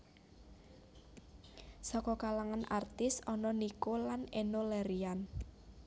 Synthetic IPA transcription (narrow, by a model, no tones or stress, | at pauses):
sɔkɔkalaŋanʔa̰rt̪ɪsɔnɔnikolanenolɛɾian